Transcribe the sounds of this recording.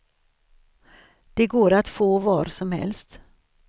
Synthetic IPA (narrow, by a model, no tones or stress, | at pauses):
d̪̥ɛɡoːɾat̪foːvɑːɾsɔmhɛ̰lst̪